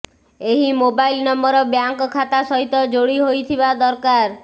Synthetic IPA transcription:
eɦimobajlnɔmɔɾɔbjaŋkɔkʰːat̪asɔɦit̪ɔd͡ʒoɽiɦojt̪ʰibad̪ɔɾkaɾ

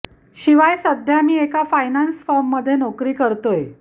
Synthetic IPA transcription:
ɕiʋajsəd̪ʱjamiːekafajnansfɔɾmːəd̪ʱːjenokɾiːkəɾt̪oje

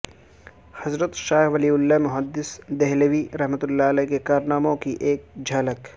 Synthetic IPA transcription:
hɐzɾət̪ʃaːɦʋɐliːʊlːamʊɦəd̪ːɪsd̪ɛɦləʋiɾɐɦmət̪ʊlːalɛkekaːɾnaːmõkiʔeːk̚d͡ʒʱɐːlək

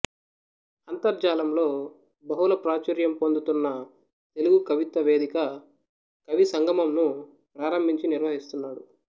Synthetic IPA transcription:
ɐnt̪ɐɾd͡ʒaːlɐmlo̞ː | bɐɦulɐpɾaːt͡ʃɐɾjɐmpond̪ut̪unːɐ | t̪e̞luɡukɐʋit̪ɐʋe̞ːd̪ikɐ | kɐʋisɐŋɡʱɐmɐmnu | pɾaːɾɐmbʱiɲt͡ʃiniɾʋɐɦist̪unːaːɽu

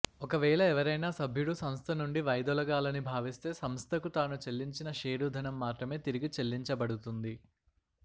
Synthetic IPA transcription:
ɔkɐʋɛːɭɐɛʋɐɾɐjnaːsɐbʱjuɽusɐmst̪ʰɐnuɳɖiʋɐjd̪ɔlɐɡaːlɐnibʱaːʋist̪e̞ːsɐmst̪ʰɐkut̪aːnut͡ʃe̞lːiɲt͡ʃinɐʃeːɾud̪ʱɐnɐmːaːt̪ɾɐme̞ːt̪iɾiɡit͡ʃelːiɲt͡ʃɐbɐɽut̪und̪i

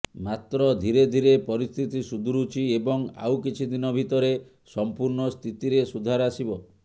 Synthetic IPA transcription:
mat̪ɾɔd̪ʱiɾed̪ʱiɾepɔɾist̪ʰit̪isud̪ʱuɾut͡ʃʰiebɔŋa̰wkit͡ʃʰid̪inɔbʱit̪ɔɾe | sɔmpuɾnɔst̪ʰit̪iɾesud̪ʱaɾasibɔ

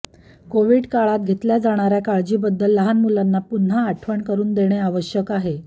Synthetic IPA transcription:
koʋiːɽkaɭat̪̚ɡʱet̪ljad͡zaɽ̃aɾjakaɭd͡ʑiːbəd̪ːəlːəɦanmulanːapun̤ɦaːʈʰʋəɳkəɾuːnd̪eɽ̃eaʋəɕjəkaɦe

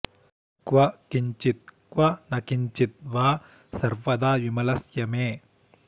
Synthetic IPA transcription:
kʋɐkiɲt͡ʃit̪̚kwɐnɐkiɲt͡ʃit̪̚ʋaː | sɐɾʋɐd̪aːʋimɐlɐsjɐmeː

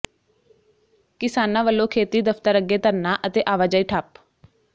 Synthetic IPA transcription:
kɪsaːnãːʋəlːõːkʰeːt̪iːd̪əfʰt̪əɾəɡːeːt̪əɾnãːʔət̪eːʔaːʋaːd͡ʒaːiːʈʰaːp

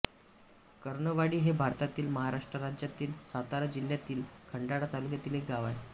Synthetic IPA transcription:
kəɾɳəʋaɽiːɦebʱaɾt̪at̪iːlməɦaɾaʂʈɾəɾad͡ʑjat̪iːlsat̪aɾəd͡ʑil̤ːjat̪iːlkʰəɳɖaɽat̪alukjat̪iːlek̚ɡaʋaj

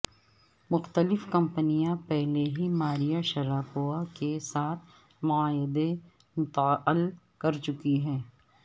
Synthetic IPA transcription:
mʊxt̪əlɪfkɐ̃mpənijãpɛɦleɦimaːɾijaʃɐɾaːfoakesaːt̪ʰ | mʊaːɦɪd̪e | mʊt̪ːəl | kɐɾt͡ʃʊkiɦɛ̃ː

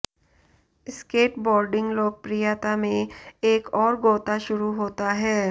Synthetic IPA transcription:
ɪskeːʈbɔːɾɖɪ̃ŋɡloːk̚pɾijaːt̪amẽeːkɔːɾɡoːt̪aʃʊɾuɦoːt̪aɦɛː

